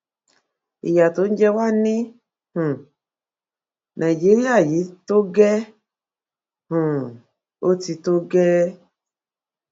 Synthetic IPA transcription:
ḭ˨ja˨t̪o˨˦n̩˦d͡ʒɛ˦wa˦˨nĩ˦ | h̩˨ | nʔã˨i˨d͡ʒe˦ɾi˦a˦˨ji˨˦to˦ɡɛ˦ | hũ˨ | o˦ti˧to˦ɡɛ˦

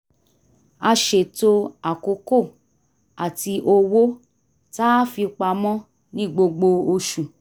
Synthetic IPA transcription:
a˧ʃe˨to˧a˨ko˧˦ko˦˨ | a˨ti˧ʔo˧wo˦ | ta˦fi˧k͡pa˧mɔ̃˦ | nĩ˦ɡ͡bo˧ɡ͡bo˧o˧ʃũ˨

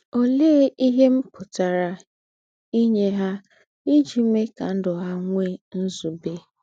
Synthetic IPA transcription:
o˦le˦i˦ɦe˦m̩˦pʊ˨ta˨ɾa˨ | i˦ɲe˦ɦa˦ | i˦d͡ʒi˨me˦ka˨n̩˦dʊ˨ɦa˦ŋʷe˦n̩˦zu˨be˦

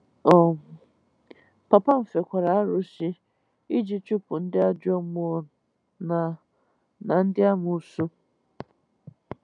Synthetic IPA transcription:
ɔ˨ | pa˨pa˦m̩˨fe˨kʷa˨ɾa˨a˦ɾʊ˨si˦ | i˦d͡ʒi˦t͡ʃu˦pʊ˨n̩˦dɪ˦a˦d͡ʒɔ˦mʊ˦ | na˨ | na˨n̩˦dɪ˦a˦mʊ˨su˦

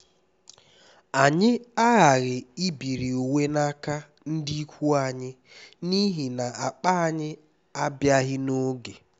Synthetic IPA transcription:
a˨ɲɪ˦a˦ɣa˨ɣɪ˨i˦bi˨ɾi˨o˨we˦na˦ka˦ | n̩˦di˦kʷu˦a˨ɲɪ˦ | ni˦ɦi˨na˨a˨k͡pa˦a˨ɲɪ˦ | a˦bja˦ɦɪ˦no˦ɡe˨

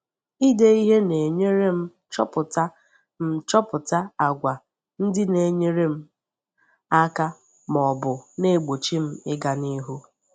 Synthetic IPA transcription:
i˦de˦i˦ɦe˦ne˨ɲe˦ɾe˦m̩˦ | t͡ʃɔ˦pʊ˨ta˦ | m̩˦t͡ʃɔ˦pʊ˨ta˦a˨ɡʷa˨ | n̩˦dɪ˦ne˨ɲe˦ɾe˦m̩˦ | a˦ka˦ | mɔ˨bʊ˨ne˦˨ɡ͡bo˨t͡ʃi˦m̩˦ɪ˦ɡa˨ni˦ɦu˦

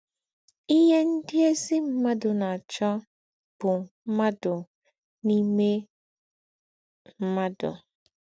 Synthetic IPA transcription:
i˦ɦe˦n̩˦dɪ˦e˦si˦m̩˦ma˦dʊ˨na˨t͡ʃɔ˦ | b̥ʊ˨m̩˦ma˦dʊ˨ | ni˦me˦ | m̩˦ma˦dʊ̰˨

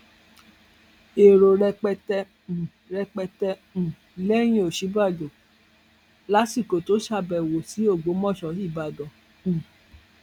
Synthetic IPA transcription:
e˨ɾo˨ɾɛ˧k͡pɛ˧tɛ̃˧˨ | ɾɛ˧k͡pɛ˧tɛ̃˧˨ | lɛ˦j̃ĩ˧˦o˨ʃi˨˦ba˦˨d͡ʒo˨ | la˦si˦˨ko˨to˨˦ʃa˧˨bɛ˨wo˨si˨˦o˦˨ɡ͡bo˨˦mɔ̃˦˨ʃɔ˨˦i˦˨ba˨ɡɔ̃˨

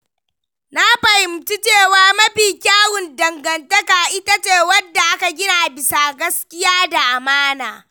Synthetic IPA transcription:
na˦ɸɐ˨hɪ˨mti˦t͡ʃeː˦˨waː˦mɐ˦ɸiː˨kʲaː˦wʊ˨ndɐ˨ŋɡɐ˨ntɐ˦ka˨ʔɪ˦ta˦t͡ʃeː˨wɐ˦dːa˨ʔa˦ka˨ɡʲɪ˦na˨bɪ˨sa˨ɡɐ˦skʲɪ˦jaː˦da˨ʔa˨maː˦naː˨

